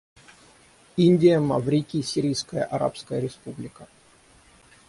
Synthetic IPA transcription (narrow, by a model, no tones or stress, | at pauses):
inʲdʲɪjəmɐvɾʲikʲisʲiɾʲijskəjəʔɐɾa̰pskəjəɾʲɪspublʲɪkə